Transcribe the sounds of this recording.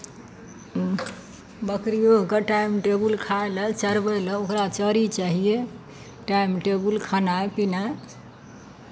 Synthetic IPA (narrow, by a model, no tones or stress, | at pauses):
bəkɾijoɦkəʈaimʈebulkʰaelət͡ʃəɾbələokɾat͡ʃəɾit͡ʃaɦije | ʈaimʈebulkʰanaepina